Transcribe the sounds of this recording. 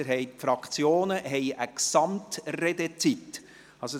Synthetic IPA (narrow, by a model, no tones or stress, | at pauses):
əɾɦɛɪtfɾɑkt͡sjoːnəɦɛɪʔəksɑmtrɛd̪et͡sit | ɑso